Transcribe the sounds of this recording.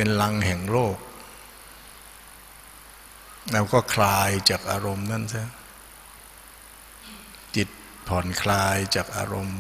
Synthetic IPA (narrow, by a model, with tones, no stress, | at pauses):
e˧nla˧ŋhɛ˨˩ŋloː˥˩k̚ | lɛː˦˥wkɔː˥˩kʰlaː˧jt͡ɕaː˨˩k̚ʔaː˧ɾo˧mna˦˥˨nsʰa˦˥˩ | t̪i˨˩t̪̚ | pʰɔ˩˦nkʰlaː˧jt͡ɕaː˨˩k̚ʔa̰ː˧ɾo˧m